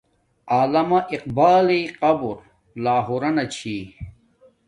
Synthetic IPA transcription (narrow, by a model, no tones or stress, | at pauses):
aːlɐmɐʔiq̚baːliqɐbuɾ | laːɦoɾɐnɐt͡ɕʰiː